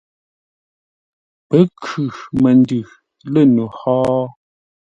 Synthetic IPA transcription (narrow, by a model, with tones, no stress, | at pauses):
pə˨˦kʰʉ˨mə˨ndʉ˨ | lə˦˨nu˨hɔː˦